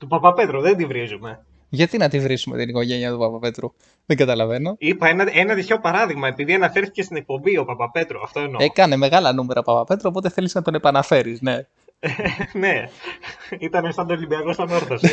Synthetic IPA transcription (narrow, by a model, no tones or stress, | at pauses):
t̪upɐpɐpe̞t̪ɾuðend̪ivɾizume̞ | ʝɐt̪inɐt̪ivɾisume̞̰t̪iniko̞ʝe̞niɐt̪upɐpɐpe̞t̪ɾu | ðeŋɡɐt̪ɐlɐve̞no̞ipɐenɐenɐt̪iço̞pɐɾɐðiɣmɐe̞piðiɐnɐfe̞ɾθicest̪inek̚po̞mbio̞pɐpɐpe̞t̪ɾuɐft̪oenekɐne̞me̞ɣɐlɐnume̞ɾʔɐpɐpɐpe̞t̪ɾuopo̞t̪eθe̞liznɐt̪o̞ne̞pɐnɐfe̞ɾisne̞ | ne | it̪ɐnesɐnd̪olimbiɐko̞sɐnoɾθos